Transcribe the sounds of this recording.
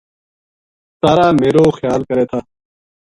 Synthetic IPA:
saːɾaːmeːɾoːxjaːlkɐɾeːt̪ʰaː

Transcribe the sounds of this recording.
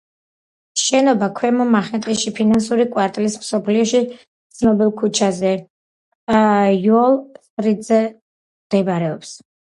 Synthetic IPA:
ʃɛnɔbakʰwɛmɔmaχɛnt̪ʼiʃipʰinansuɾikʼwaɾt̪ʼlismsɔpʰliɔʃi | t̪sʰnɔbilˠkʰut͡ʃʰazɛ | jɔlˠsɾid̪zɛ | md̪ɛbɾɛɔps

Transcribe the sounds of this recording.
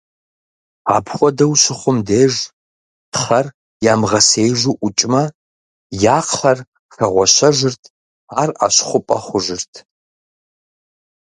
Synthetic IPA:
a̰ːpʰχʷɔdɐwɕɪχʷʊmdeːʒ | dχɐr | jaːmʁɐsejʒʷuʔʷʊt͡ʃʼmɐ | jaːqɬɐr | xɐʁʷɔɕɐʒʷɪrtʰ | aːra̰ɕχʷʊpʼɐ̰χʷʊʒɪrtʰ

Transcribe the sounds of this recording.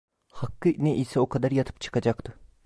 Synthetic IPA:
hɑqːɯʔneʔisɛoqʰɑd̪ɑɾjɑt̪ʰɯ̥pt͡ʃʰɯ̥qɑd͡ʒɑqt̪ɯ

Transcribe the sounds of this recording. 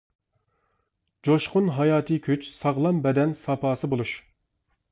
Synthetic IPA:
d͡ʒoʃqʰʊnɦɑjɑːt̪ʰɨkʲʰyt͡ʃsɑʁlˠɑmbɛd̪ɛnsɑpɑːsɨbolˠuʃ

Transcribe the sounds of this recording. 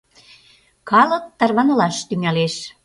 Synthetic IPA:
kɑlə̆k̚t̪ɑrβɑnɤ̆lɑʃt̪yŋæleʃ

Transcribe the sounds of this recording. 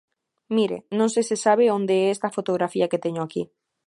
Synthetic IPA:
miɾḛnõŋsesesaβ̞eond̪eɛest̪ɐfot̪oɣɾafiaket̪eɲoakḭ

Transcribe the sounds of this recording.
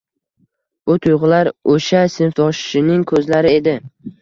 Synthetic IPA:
b̥ʊt̪ʰʊjʁʊlaɾoʃasɪnft̪ʰɒʃʃɪnɪŋkʰɵzlaɾɪe̞d̪ɪ

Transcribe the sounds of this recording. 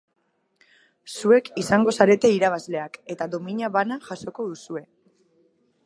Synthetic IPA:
sue̞kisaŋɡo̞saɾe̞t̪e̞iɾaβ̞azle̞ake̞t̪aðo̞miɲaβanaʝaso̞ko̞ð̞usue̞

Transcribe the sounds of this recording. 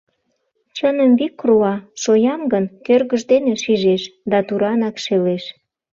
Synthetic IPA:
t͡ɕənəmβikruɑʃojɑmɡənkørɣəʒd̪eneʃiʒeʃd̪ɑt̪uɾɑnɑkʃeleʃ

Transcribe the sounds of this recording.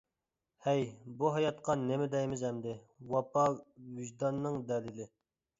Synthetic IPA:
hɛjbuɦɑjɑt̪̚qɑnɪmɪd̪ɛjmɪzɛmd̪ɪ | wɑpɑvyʒd̪ɑnːɨŋd̪ɛlɪlɪ

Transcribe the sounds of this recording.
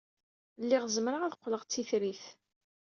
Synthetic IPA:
lːɪʁzəmɾəʁæðəqːləʁt͡sːiθɾiθ

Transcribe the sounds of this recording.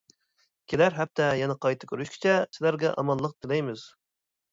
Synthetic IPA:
kʲʰelæɾɦæp̚t̪ʰɛjɛnɛqʰɑjt̪ʰɨ̥kʲʰøɾyʃkʲi̥t͡ʃʰɛsɪlæɾɡʲɛʔɑ̰mɑlˠːəq̚t̪ɪlɛjmɪz̥

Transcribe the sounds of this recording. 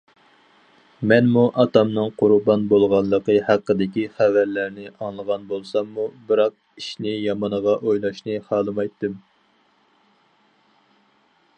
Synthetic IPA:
mɛnmuʔɑt̪ɑmnɨŋqʰʊɾbɑnbolˠʁɑnˠːəqəhæqːəd̪ɪkʲiχævæɾlæɾnɪʔɑŋlˠəʁɑnbolˠsɑmːubɨɾɑq̚ | iʃnɪjɑmɑnəʁɑʔojlˠɑʃnɨχɑːlˠɨmɑjt̪ːɨm

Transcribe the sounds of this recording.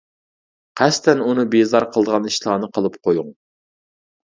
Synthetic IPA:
qʰæst̪ɛnunɨbezɑɾqʰəlˠd̪əʁɑniʃlˠɑːnɨqʰəlˠɨpqʰojuŋ

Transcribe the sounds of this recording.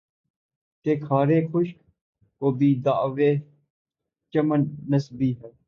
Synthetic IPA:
k̪eːkʰaːɾeːkʰʊʃk | koːbʱiːd̪aːʋeː | t͡ʃəmənːəsbiːɦɛː

